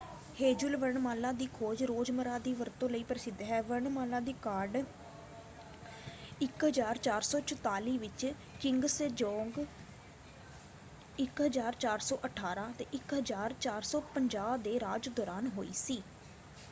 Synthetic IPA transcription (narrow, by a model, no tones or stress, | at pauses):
heːd͡ʒʊlʋəɾɳmaːlãːd̪iːkʰoːd͡ʒɾoːd͡ʒməɾãːd̪iːʋəɾt̪õːləiːpəɾɪsɪd̪ɦɛːʋəɾɳmaːlãːd̪iːkaːɾɖ | ɪkɦəzaːɾt͡ʃaːɾsɔːt͡ʃʊt̪aːliːʋɪt͡ʃ | kɪŋɡsd͡ʒɔ̃ːŋɡ | ɪkɦəzaːɾt͡ʃaːɾsɔːʔəʈʰaːɾãːt̪eːʔɪkɦəzaːɾt͡ʃaːɾsɔːpəɲd͡ʒaːbd̪eːɾaːd͡ʒd̪ɔːɾaːnɦoːḭːsiː